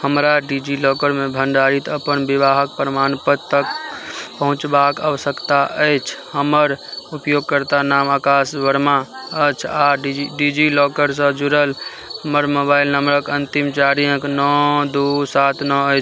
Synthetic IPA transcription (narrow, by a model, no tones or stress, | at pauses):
həmɾaɖid͡ʒilɔkəɾmebʱəɳɖaɾit̪əpənbiʋaɦək̚pɾəmanpəd̪t̪əkpəɦũt͡ʃbakəʋəsəkt̪aʔəjt͡ʃʰhəməɾupjoɡ̚kəɾt̪anamakasʋəɽmaət͡ʃʰaɖid͡ʒilɔkəɾs̬ə̃d͡ʒuɾəl | həməɾmobailnəmɾəkənt̪imt͡ʃaɾijə̃knɔd̪usat̪ʰnɔəjt͡ʃʰ